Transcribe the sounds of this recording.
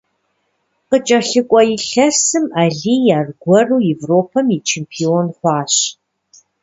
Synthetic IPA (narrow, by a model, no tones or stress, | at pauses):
qət͡ʃʼɐɬɨkʷʼɔjɪɬɐsɨmaːɮiːjaːrɡʷɔruːjɛvroːpʰɐmjit͡ʃʰeːmpʰioːnχʷɑːɕ